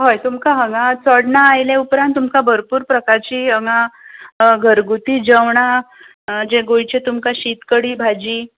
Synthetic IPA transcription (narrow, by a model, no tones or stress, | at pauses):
ɦojt̪umkaɦəŋãt͡sɔɽɳaːjlẽupɾãnt̪ːumkabʱəɾpuːɾpɾəkaɾt͡ɕiːɦəŋa | ɡʱəɾɡut̪iːd͡ʑəʋɳa | d͡ʑeɡojt͡ɕet̪umkaɕit̪kəɽiːbʱad͡ʑiː